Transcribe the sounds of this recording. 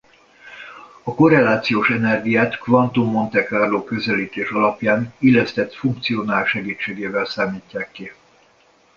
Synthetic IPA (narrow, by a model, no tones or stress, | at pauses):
ɒko̞ɾɛlaːt̪sijoːʃɛnɛrɡijaːt̪kvɒnt̪umːo̞nt̪ɛkaːrloːkø̞zɛliːt̪eːʃɒlɒpjaːnilɛst̪ɛt̪fuŋk̚t̪sijonaːlʃɛɡiːt͡ʃːeːɡeːvɛlsaːmiːcːaːkːi